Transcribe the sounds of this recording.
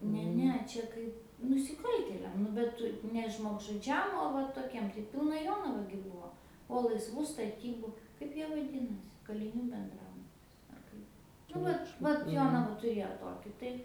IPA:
ˈnʲɛ ˈnʲɛ ˈt͡ʃʲɛ kɐɪp nʊsʲɪˈkɐlʲtʲeːlʲɛm ˈnʊ bʲɛt ˈtʊ nʲɛ ʒmoːɡʒʊˈd͡ʒʲɛm oː ˈʋɐ toːˈkʲiɛm tɐɪ ˈpʲɪlˠnɐ ˈjoːnɐʋɐ ɡʲɪ ˈbʊʋoː oː lˠɐɪsˈʋuː stɐˈtʲiːbʊ ˈkɐɪp jiɛ ʋɐˈdʲɪnɐsʲɪ kɐlʲɪˈnʲuː bʲɛnˈdrɑːbʊtʲɪs ɐr ˈkɐɪp nʊ ˈʋɐt ˈʋɐt ˈjoːnɐʋɐ tʊˈrʲeːjoː ˈtoːkʲɪ tɐɪ

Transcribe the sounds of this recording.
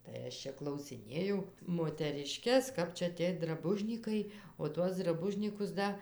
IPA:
tɐɪ ˈɐʃ t͡ʃʲɛ klˠɐʊsʲɪˈnʲeːjɛʊ moːtʲɛrʲɪˈʃʲkʲɛs ˈkɐp t͡ʃʲɛ ˈtʲiɛj drɐˈbʊʒʲnʲiːkɐɪ oː ˈtuɔs drɐˈbʊʒʲnʲiːkʊs ˈdɐ

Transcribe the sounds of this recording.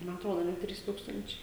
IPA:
mɐ ɐtˈroːdoː ɐ ˈnʲɛ ˈtʲrʲiːs ˈtuːkstɐnʲt͡ʃʲɛɪ

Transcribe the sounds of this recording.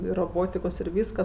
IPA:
ɪr roːˈboːtʲɪkoːs ɪr ˈʋʲiːskɐs

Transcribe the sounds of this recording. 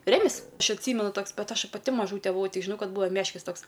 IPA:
ˈrʲæːmʲɪs ˈɐʃ ɐtʲˈsʲiːmʲɛnʊ ˈtoːks ˈbʲɛt ˈɐʃ pɐˈtʲɪ mɐˈʒuːtʲɛ bʊˈʋɐʊ ˈtʲɪk ʒʲɪˈnɐʊ ˈkɐt ˈbʊʋoː ˈmʲæːʃʲkʲɪs ˈtoːks

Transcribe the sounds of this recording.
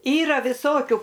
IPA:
ˈiːrɐ ʋʲɪˈsoːkʲʊ

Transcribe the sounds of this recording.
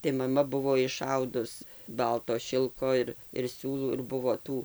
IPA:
tɐɪ mɐˈmɐ ˈbʊʋoː ɪˈʃɐʊdʊs ˈbɐlˠtoː ˈʃʲɪlˠkoː ɪr ɪr ˈsʲuːlˠuː ɪr ˈbʊʋoː ˈtuː

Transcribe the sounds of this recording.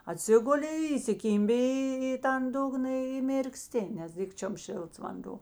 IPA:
ɐˈtʲsʲɪɡʊlʲɪ iːsʲɪˈkʲiːmʲbʲɪ ˈiː iː tɐn ˈdʊɡnɐ ɪ mʲɪrkˈsʲtʲɪ nʲɛs ˈdʲɪkt͡ʃʲoːm ˈʃʲeːlˠts ʋɐnˈdoː

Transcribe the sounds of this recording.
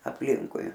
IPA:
ɐpʲˈlʲɪŋkʊɪ

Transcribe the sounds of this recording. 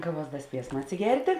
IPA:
ˈkɑːˌʋuɔs ˈdɐ ˈsʲpʲiɛsmɐ ɐtʲsʲɪˈɡʲɛrʲtʲeː

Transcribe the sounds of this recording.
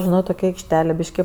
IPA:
ʒʲɪˈnɐʊ toːˈkʲɛ ɐɪkʃʲˈtʲæːlʲeː ˈbʲɪʃʲkʲɪ

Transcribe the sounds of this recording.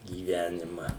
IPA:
ɡʲiːˈʋʲæːnʲɪmɐ

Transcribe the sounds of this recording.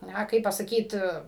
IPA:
ˈnɐ ˈkɐɪp pɐsɐˈkʲiːt

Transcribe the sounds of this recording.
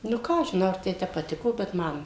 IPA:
nʊ ˈkɑː ɐʃ ʒʲɪˈnɐʊ ɐr ˈtɐɪ ˈtʲɛp pɐˈtʲɪkoː bʲɛt ˈmɐn

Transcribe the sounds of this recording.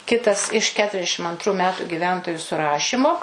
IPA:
ˈkʲɪtɐs ɪʃ ˌkʲæːtʊrʲɛzʲˈdʲæːʃʲɪm ɐntˈruː ˈmʲæːtʊ ɡʲɪˈʋʲɛntoːjʊ sʊˈrɑːʃʲiːmoː

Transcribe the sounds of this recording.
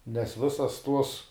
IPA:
nʲɛs ˈʋʲɪsɐs tuɔs

